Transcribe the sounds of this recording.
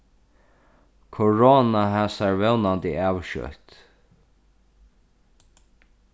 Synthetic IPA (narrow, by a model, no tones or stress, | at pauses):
kʰɔɹoːnaɦæːsaɹvɛwnand̪ɪæːwʃœ̰t̪